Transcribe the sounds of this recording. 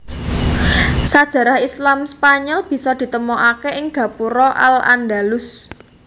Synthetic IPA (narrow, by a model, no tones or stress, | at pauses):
sad̥ʒ̥ä̤ɾahislamspaɲɔlb̥i̤sɔd̪̥i̤t̪əmɔʔakeʔɪŋɡ̥ä̤puɾɔʔa̰la̰nd̪alʊs